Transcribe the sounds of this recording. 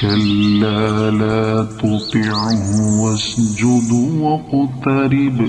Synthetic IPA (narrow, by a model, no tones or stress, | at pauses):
kɐlːalaːt̪ʊt̪iʕɦʊwɐsd͡ʒʊd̪wɐqʊt̪ɑɾɪb